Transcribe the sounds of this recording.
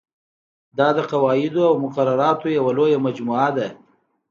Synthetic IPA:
d̪ɑd̪əqawɑɪd̪oawmʊqaɾaɾɑt̪ojawalojamad͡ʒmuad̪a

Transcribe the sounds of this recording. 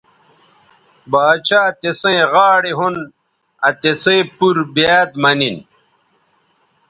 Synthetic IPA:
baːt͡ɕaːt̪esɐ̃ʁaːɽeɦun | ɐt̪esẽpuɾbeːd̪mɐnin

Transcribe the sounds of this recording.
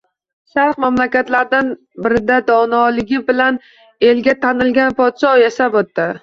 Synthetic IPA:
ʃaɾqmamlakʲat̪laɾd̪an | bɪɾɪd̪ad̪ɒnɒlɪɡʲɪbɪlan | e̞lɡʲat̪ʰanɪlɡʲanpʰɒt̪ʃɒjasabot̪ːɪ

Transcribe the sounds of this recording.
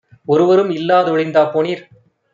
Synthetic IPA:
ɔɾɯʋɐɾɯmɪlːaːðɔɻɐɪnd̪aːpoːniːɾ

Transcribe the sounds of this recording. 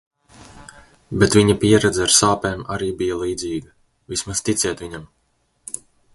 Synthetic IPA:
bɛt̪viɲapiɛɾɛd̪zɛaɾsaːpɛːmaɾiːbijalˠiːd̪ziːɡa | vismast̪it̪sʲɛt̪viɲam

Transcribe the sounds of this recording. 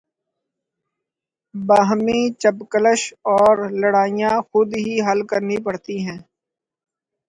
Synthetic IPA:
baːɦmĩːt͡ʃəbkələʃɔːɾləɽaːijãxʊd̪ɦiɦəlkəɾnipɐɽt̪iɦɛ̃ː

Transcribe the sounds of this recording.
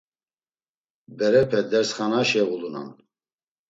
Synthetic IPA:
bɛɾɛpʰɛd̪ɛɾsχanaʃɛɣuluna̰n

